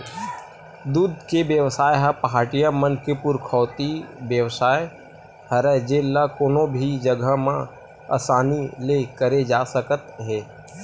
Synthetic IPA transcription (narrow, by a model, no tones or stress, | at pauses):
d̪uːd̪̚kebjəʋsaːjɦapɐɦaːʈijamənkepʊɾkʰɔːt̪ibjəʋsaːje | hɐɾɛd͡ʒeːlːakoːnõbʱid͡ʒəɡʱəmã | ɐ̰saːnilekəɾed͡ʒaːsəkət̪ɦɛː